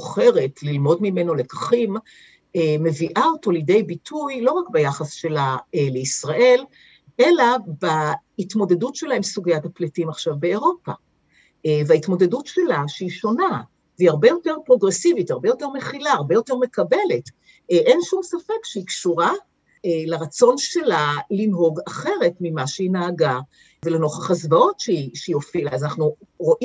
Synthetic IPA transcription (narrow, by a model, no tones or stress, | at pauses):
χe̞ʁetlilmo̞dmime̞no̞le̞kḁχim | eme̞viʔaoto̞ljede̞jbitʰujlo̞ʁakbejaχasʃe̞laele̞isʁaʔe̞l | ʔe̞labaitmo̞de̞dutʃe̞laemsuɡijatapletimaχʃavbeːʁo̞pa̰ | veaitmo̞de̞dutʃelaʃeiʃo̞na | veiaʁbe̞jo̞te̞ʁpʁo̞ɡʁesivitaʁbejo̞te̞ʁmeχilaːʁbe̞jo̞te̞ʁme̞kabe̞le̞t | ʔenʃumsafekʃeikʃuʁa | leʁat͡so̞nʃelalinɦo̞ɡaχe̞ʁe̞tmimaʃeinaːɡa | veleno̞χaχazvao̞tʃeiʃeijo̞filazanaχnuʁo̞ʔi